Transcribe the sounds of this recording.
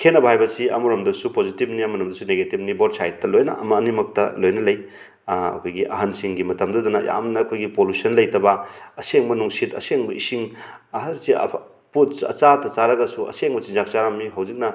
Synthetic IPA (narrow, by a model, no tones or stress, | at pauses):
kʰenɐbɐɦajbɐsiɐ̰muɾɐmdɐsupozitib̚niɐmuɾɐmdɐsuneɡetip̚nibodsajtːɐlojnɐ̰ɐ̰mɐːnimɐk̚tɐ̰lojnɐlɐj | ɐ̰kʰojɡiʔɐ̰ɦɐnsiŋɡimɐtɐmdɐdunɐja̰mnɐkʰojɡipolusɐnlɐjtɐbɐɐseŋmɐnuŋsitɐ̰seŋbɐisiŋ | ɐɦɐɾsḭ | putsɐ̰t͡ʃatɐt͡ʃaɾɐɡɐsuɐ̰seŋbɐt͡ʃinzak̚t͡ʃaɾamːiɦɐwzik̚nɐ